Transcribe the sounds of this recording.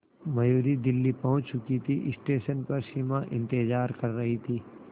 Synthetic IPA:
mɐjuːɾid̪ɪlːipɐɦʊ̃t͡ʃʰt͡ʃʊkit̪ʰiʔɪsʈeːʃənpɐɾsimaʔɪ̃nt̪ɪd͡ʒaːɾkɐɾːɐɦit̪ʰiː

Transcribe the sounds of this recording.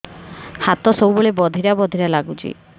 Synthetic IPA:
hat̪ɔsowboɭebɔd̪ʱiɾabɔd̪ʱiɾalaɡut͡ʃʰḭ

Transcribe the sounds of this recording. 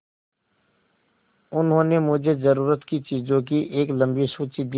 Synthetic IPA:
ʊnɦõːnemʊd͡ʒʱezəɾuːɾət̪kit͡ʃiːzõkiʔeːklə̃mbisuːt͡ʃid̪i

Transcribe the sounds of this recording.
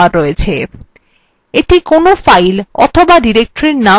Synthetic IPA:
aɾːɔet͡ɕʰe | eʈikonofajlɔ̰t̪ʰobaɖiɾek̚ʈoɾeɾna

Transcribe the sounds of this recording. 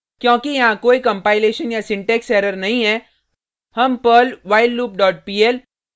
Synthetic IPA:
kjõːkijɐɦãkoːikɐ̃mpaːɪleːʃənjasɪ̃ɳʈɛːksɛːɾəɾnɐɦĩɦɛː | hɐmpəːlʋaːɪlːuːp̚ɖɔːʈ̚piːɛːl

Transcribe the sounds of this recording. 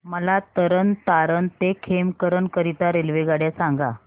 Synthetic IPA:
məlat̪əɾənt̪aɾənt̪ekʰemkəɾənkəɾit̪aɾelʋeɡaɽjasaŋɡa

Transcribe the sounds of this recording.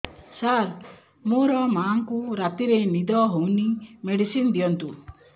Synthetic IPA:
saɾ | moɾɔmaŋkuɾat̪iɾenid̪ɔɦownimeɖisind̪ijɔnt̪u

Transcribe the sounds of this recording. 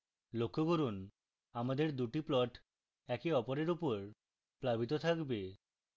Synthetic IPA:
lokʰːoɡoɾun | amad̪eɾd̪uʈiplɔʈ | ɛkiɔpoɾeɾupoɾ | plabit̪ot̪ʰakbe

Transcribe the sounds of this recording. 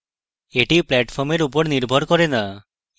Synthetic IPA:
eʈiplɛʈpʰɔɾmeɾup̬ɔɾniɾbʱɔɾkɔɾena

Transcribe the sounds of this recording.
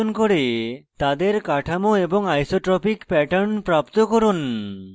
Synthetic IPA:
onkoɽet̪ad̪eɾkaʈʰamoeboŋajsoʈɾɔpikpɛʈaɾnpɾapt̪okoɾun

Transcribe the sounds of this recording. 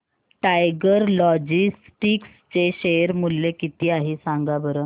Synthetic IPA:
ʈajɡəɾlɔd͡ʑis | ʈikst͡ɕeɕeɾmulːekit̪iːaɦisaŋɡabəɾə

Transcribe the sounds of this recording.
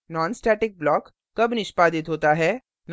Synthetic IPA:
nɔːnsʈɛːʈɪk̚blɔːkː | ɐbnɪʃpaːd̪ɪt̪ɦoːt̪aɦɛː | n

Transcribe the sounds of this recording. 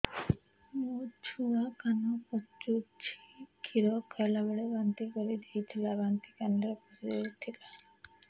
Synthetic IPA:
mud͡ʒʰʱuakanɔkɔt͡ʃut͡ʃʰi̥kʰiɾɔkʰɛlabeɭebant̪ikoɾid̪ejt̪ʰilabant̪ikaneɾpɔsiet̪ʰila

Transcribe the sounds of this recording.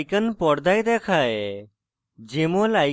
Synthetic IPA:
ɪkənpɔɽd̪ʱaːid̪eːkʰaːe | d͡ʒeːmõːlaːɪ

